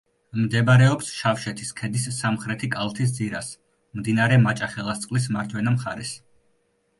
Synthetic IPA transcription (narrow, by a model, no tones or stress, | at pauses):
md̪ɛbɾɛɔpsʃafʃɛt̪ʰiskʰɛd̪isːamχɾɛt̪ʰikʼalˠt̪ʰis̬d̪ziɾa̰s | md̪inaɾɛmat͡ʃʼaχɛlˠast̪sʼqʼlis̬maɾt̪ʰwɛnamχaɾɛs